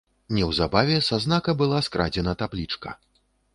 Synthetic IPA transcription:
nʲɛwzabavʲɛsaznakɐbɨlˠaskɾʔa̰d͡zʲɛnɐt̪ablʲit͡ʂkɐ̰

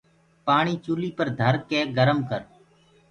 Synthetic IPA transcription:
paːɳiːt͡ʃuːliːpəɾd̪ʱəɾkeːɡəɾəmkəɾ

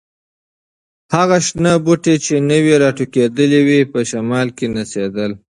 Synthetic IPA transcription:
haɣaʃnəbuʈet͡ʃenəweɾɑʈuked̪əliwipəʃamɑlkenased̪əl

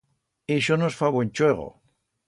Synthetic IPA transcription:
iʃonosfaβwẽnt͡ʃweɣo̰

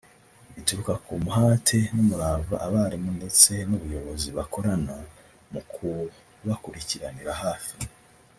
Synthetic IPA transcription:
βitukakʰumuɦaːtʰe̞numuɾava̰ʔaβaːɾimunde̞t͡se̞nuβujo̞βo̞ziβako̞ɾana | mukʰu | βakuɾiciɾaniɾaɦaːfi̥

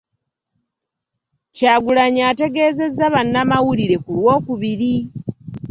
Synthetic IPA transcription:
caːɡulaɲate̞ɡe̞ːze̞zːaβanːamawuliɾe̞kulwo̞ːkuβiɾi

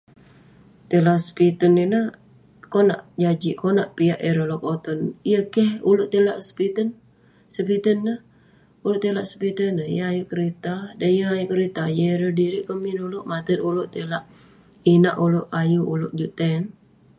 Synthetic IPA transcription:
t̪elasə̥pit̪əninə | kɔna̰ʔd͡ʒad͡ʒiʔkɔnaʔpiaʔeɾolɔkot̪ɔnijəkəhulʊʔt̪elaʔspit̪ən | səpit̪ənːəh | ulʊʔt̪elaʔsə̥pit̪ənːəjəajuʔkəɾit̪adanjəajuʔkəɾit̪ajəeɾədiɾiʔkəminulʊʔmat̪ət̪ulʊʔt̪elaʔ | inaʔulʊʔajuulʊʔd͡ʒuʔt̪ɛn

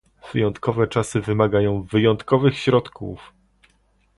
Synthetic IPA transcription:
v̥ɘjɔnt̪kɔvɛt͡ʂasɘvɘmaɡajɔ̃w̃vɘjɔnt̪kɔvɘxɕɾɔt̪kʰṵf

